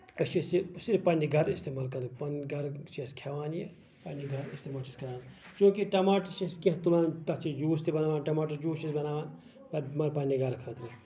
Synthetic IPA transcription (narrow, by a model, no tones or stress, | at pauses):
ɐt͡ʃʰisisiɾpɐnʲːiɡʱɐɾist̪eːmaːlkɐnpɐnɡɐɾt͡ʃeskʰɐʋaːnje | pɐnːiɡʱɐɾist̪emaːlt͡ʃʰiskʰʲɐɾaːn | t͡ʃoːkiʈɐmaːʈɐsiskẽɦt̪ulaːnt̪ɐt͡ʃid͡ʒuːst̪ibɐnaːʋaːnʈɐmaːʈɐsd͡ʒuːt͡ʃisbɐnaːʋaːn | pɐɾmɐɾpɐnʲiɡɐɾkʰəːt̪ɾi